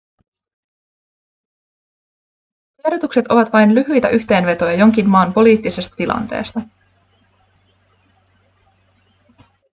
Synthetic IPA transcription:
eɾot̪ukse̞t̪o̞ʋɑt̪ʋɑjnlyɦyjt̪æʔyçt̪e̞ːnʋe̞t̪o̞jɑjo̞ŋk̟inːɑːnpo̞liːt̪ːise̞st̪ɑ̥t̪ilʔɑ̰nt̪e̞̰ːst̪ɑ

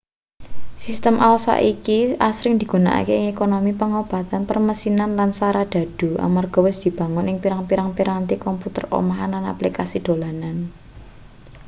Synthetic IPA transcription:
sist̪əmʔalsa̰ʔikiʔasɾɪŋd̪̥i̤ɡ̥una̰ʔa̰keɪŋekonomipəŋob̥ä̤t̪anpərməsinanlansaɾad̪̥a̤d̥ṳa̰marɡ̥ɔ̤wɪsd̪̥i̤b̥ä̤ŋʊnɪŋpiɾaŋpiɾaŋpiɾant̪ikɔmput̪ə̰ro̰maɦanana̰plikasid̪̥o̤lanan

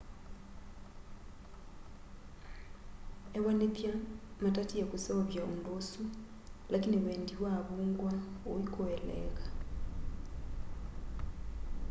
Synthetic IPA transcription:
eβanetjamatatiekusaoβjaundosu | lʔakiniβeːndiβwaβuːŋɡwaoikoɛlɛ̰ɣḁ

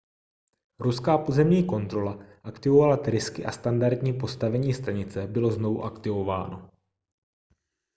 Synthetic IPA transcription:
ɾuskaːpozɛmɲiːko̞nt̪ɾo̞laʔakt̪ɪvovalat̪ɾɪskɪʔast̪andaɾd̪ɲiːpo̞st̪avɛɲiːst̪aɲɪt͡sɛbɪlo̞zno̞vuʔakt̪ɪvo̞va̰ːno̞

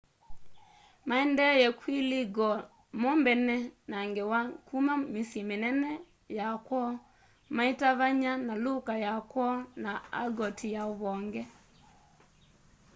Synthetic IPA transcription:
maɛndɛjɛkwiliɡɔ | mɔmbɛnɛnaŋɡɛwakumamisjɛmenɛnɛ | jakwɔ | maitaβaɲanalukajakwɔnaa̰ɡɔtʰijaɔβɔŋɡɛ

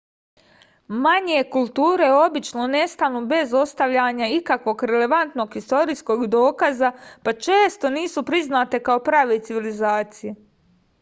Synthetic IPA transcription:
maɲe̞kulˠt̪uːɾe̞o̞bit͡ʃno̞ne̞st̪anube̞zo̞st̪aʋʎaɲaikakʋo̞ɡɾe̞le̞ʋant̪no̞ɡxist̪o̞ɾisko̞ɡd̪o̞ːkazapat͡ʃeːst̪o̞niːsupɾiznaːt̪e̞kao̞pɾaːʋet̪siʋilizaːt̪sije

